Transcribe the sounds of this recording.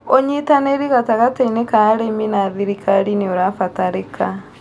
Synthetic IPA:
oɲitaneɾiɣataɣatainekaːɾeminaðiɾikʰaɾineoɾafataɾekʰa

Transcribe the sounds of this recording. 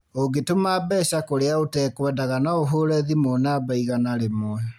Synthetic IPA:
oɡetomaːbɛsakoɾeaotɛkwɛndaɣanaoɦoːɾɛðimonaːbaiɣanaɾemwɛ

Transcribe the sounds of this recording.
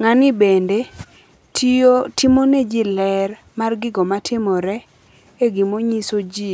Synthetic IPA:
ŋanɪbende | tʰiotimoned͡ʒilɛr | marɡɪɡɔmatʰɪmɔɾɛ | eɡimoɲisod͡ʒi

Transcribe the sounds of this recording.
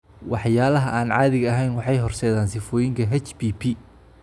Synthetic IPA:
wɑħjaːlɐɦɐʔaːnʕɑːðɪɣɐɐɦɛjnwɑħɑjɦɔrsɛːðaːnsɪfɔːjɪŋkʰɐɦɛt͡ʃbipʰi

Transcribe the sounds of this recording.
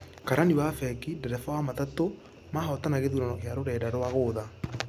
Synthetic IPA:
kaɾaniwafɛkidɛɾɛfɔwamatato | mahɔtanaɣeðuɾɔnɔkjaɾoɾɛdaɾowaɣoːða

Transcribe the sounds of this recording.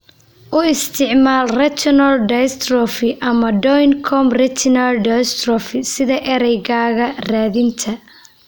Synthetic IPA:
ʔʊɪst̪ʰɪʕmaːlrɐt̪ʰɔnɐlɖɐst̪rɔfɪʔɐmɐɖɔjnkʰɔmrɛt̪ʰɪnɐlɖɐst̪rɔfɪsɪðɐʔɛɾɛjɣaːɣɐraːðɪnt̪ʰɐ

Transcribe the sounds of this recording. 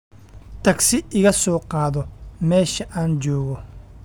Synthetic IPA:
t̪ʰɐɡsɪʔɪɣɐsɔːqɑːðɔmɛːʃɐʔaːnd͡ʒɔːɣɔ

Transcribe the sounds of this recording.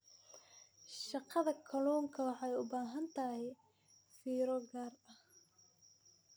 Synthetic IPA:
ʃɑqɑðɐkʰɐluːŋkʰɐwɑħɑjʊbaːɦɐnt̪ʰɐɦɛj | fiːɾɔɡaːrɐh

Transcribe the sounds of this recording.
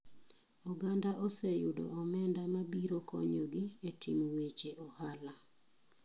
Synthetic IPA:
uɡandaʔɔsejudo̰ʔɔmɛndamabiɾokʰo̰ɲoɡɪetʰimwet͡ʃeʔɔhala

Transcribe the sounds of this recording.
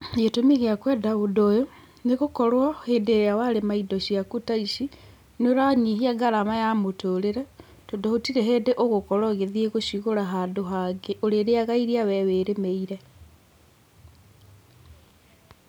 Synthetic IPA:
jetomeɣeakwɛdaudojo | neɣokɔɾwahendeɾeawaɾemaidɔʃiakutaiʃi | noɾaɲiɦiaɡaɾamajamotoɾeɾɛ | toːndohotiɾeɦeːndeʔoɣokɔɾɔɣeðieɣoɕuɣoɾaɦaːdoɦaɡeoɾeɾeaɣaiɾiawɛweɾemeiɾɛ

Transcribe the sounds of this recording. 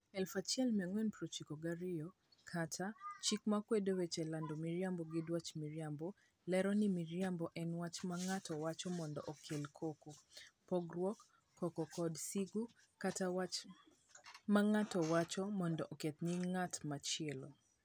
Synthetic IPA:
ɛlfat͡ʃjɛlmɛŋwɛnpɾot͡ʃikoɡaɾɪjɔ | kʰatʰat͡ʃikmakwedowɛt͡ʃɛlandomiɾjambɔɡɪdwat͡ʃmiɾjambɔ | lɛɾɔnimiɾjambɔʔɛnwat͡ʃmaŋatʰɔwat͡ʃɔmɔndɔ̰ʔɔkʰelkʰokopɔɡɾwɔkː | ɔkɔkɔdsiɡu | kata | maŋatɔwat͡ʃɔmɔndɔʔoket̪niŋatmat͡ʃɛlɔ

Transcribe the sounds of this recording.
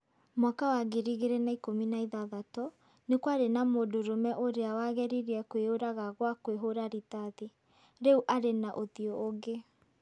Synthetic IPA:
mwakawaɣeɾiɣeɾenaikominaiðaðatɔ | nekwaɾenamodoɾomɛʔoɾeawaɣɛɾiɾiɛkweoɾaɣaɣwakweɦoɾaɾitaðe | ɾɛuʔaɾenaʔoðiɔoɣe

